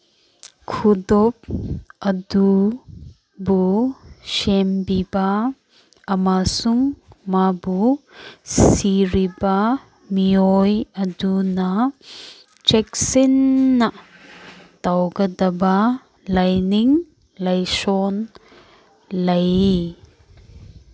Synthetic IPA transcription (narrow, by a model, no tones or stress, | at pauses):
kʰudɔp̚ʔɐdu | busɛmbiba | ɐmasuŋmabu | siɾiba | miɔjɐduna | t͡ʃɛk̚sinːa | t̪awɡɐd̪ɐba | lɐjniŋ | lɐjsɔn | lɐj